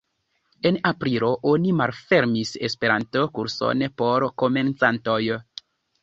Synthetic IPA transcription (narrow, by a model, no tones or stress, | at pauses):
e̞napɾilo̞ʔonimalfeɾmisḛspe̞ɾanto̞kuɾso̰npo̞ɾko̞me̞nt͡santo̞j